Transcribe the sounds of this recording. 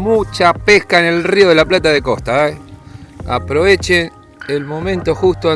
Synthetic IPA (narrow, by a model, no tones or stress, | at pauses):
mut͡ʃapehkaene̞lrio̞ð̞elaplat̪̬aðeko̞st̪aa | a̰pɾo̞βet͡ʃen | elmõ̞mẽnt̪o̞xust̪o